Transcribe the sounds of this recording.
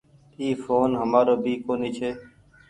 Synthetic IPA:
iːfoːnɦəmaːɾoːbʱiːkoːniːt͡ʃʰeː

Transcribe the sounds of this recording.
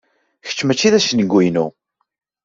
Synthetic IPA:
çə̥t͡ʃːmæt͡ʃːiðæsənəɡʷːujnu

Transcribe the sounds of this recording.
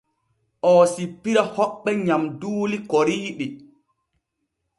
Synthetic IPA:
ʔɔːsipːiɾahɔɓːɛɲamduːlikoɾiːɗi

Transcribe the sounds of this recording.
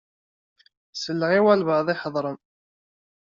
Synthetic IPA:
səlːəʁiwælvəðˤɪħðˤɾˤən

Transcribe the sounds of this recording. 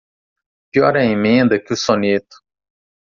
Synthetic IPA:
piɔɾɛĩmẽd̪ɐkɪusonet̪ʊ̥

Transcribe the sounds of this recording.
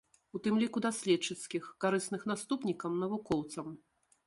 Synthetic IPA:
ut̪ɨmlʲikud̪asʲlʲɛt͡ʂːɨt̪skʲixkaɾɨsnɨxnast̪upnʲikɐmnɐvukɔwt̪sɐm

